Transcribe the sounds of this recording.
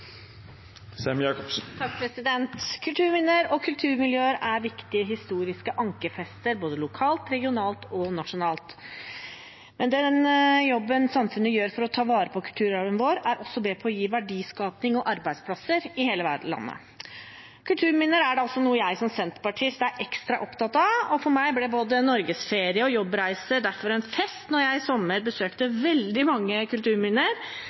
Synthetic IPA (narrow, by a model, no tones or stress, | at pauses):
sɛmjɑːkɔpsn̩t̪ʰɑk̚pʰɾɛsɪd̪ɛnt̪kʰʉlt̪ʰʉːɾmɪnːəɾɔkʰʉlt̪ʰʉːɾmɪljøːəɾæɾʋɪkt̪ɪəɦɪst̪uːɾɪskəʔɑŋkəfɛst̪əɾboːd̪əlʊkʰɑːlt̪ɾɛɡɪʊnɑːlt̪ɔnɑʂʊnɑːlt̪ | mɛnd̪ɛnjɔbːənsɑmfʉnːəjøːɾfɔɾɔt̪ʰɑːʋɑːɾəpʰɔkʰʉlt̪ʰʉːɾɑʋənʋoːɾæɾɔsːɔbeːpʰɔːjiːʋæɖiːskɑːpnɪŋɔʔɑɾbæɪd̪spʰlɑsəɾɪheːləʋæ̰ɖlɑ̰nːə̰ | kʰʉlt̪ʰʉːɾmɪnːəɾæɖɛɔlsɔnuːəjæɪsɔmsɛnt̪ə̥pɑʈʰɪst̪æɾʔɛkst̪ɾɑʔɔpt̪ʰɑt̪ːɑɔfɔɾmæɪblɛboːd̪ənɔɾɡəsfeːɾɪəɔjɔbːɾæɪsəɾd̪æɾfɔɾɛnfɛst̪nɔɾjæɪsɔmːəɾbəsøːkt̪əʋɛld̪ɪmɑŋːəkʉlt̪ʉːɾmɪnəɾ